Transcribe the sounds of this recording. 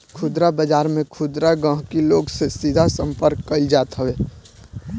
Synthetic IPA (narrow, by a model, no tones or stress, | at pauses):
kʰʊd̪ɾabəd͡ʒaːɾmẽkʰʊd̪ɾaɡə̃ɦkiloːɡsesid̪ʱasə̃mpəɾkːəɪld͡ʒaːt̪ɦəweː